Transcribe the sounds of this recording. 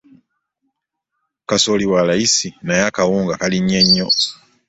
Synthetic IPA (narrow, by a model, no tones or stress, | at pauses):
kasoliwalaisinajakawuːŋɡakaliɲːeɲːo